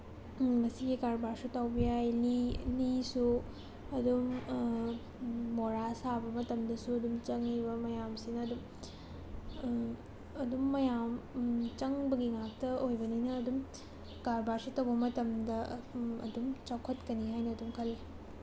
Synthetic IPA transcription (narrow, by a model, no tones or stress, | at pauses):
mɐsiɡikaɾbaɾsutawbijajlilisu | ɐdum | oɾasabɐmɐtɐmdɐsuɐdumt͡ʃɐŋibɐmɐjamsinɐːdum | ɐdumːɐjamt͡ʃɐŋbɐɡiŋak̚tɐojbɐninɐːdum | kaɾbaɾsutɐwbɐmɐtɐmdɐɐ̰dumt͡ʃawkʰɐtkɐniɦajnɐːdumkʰɐlːi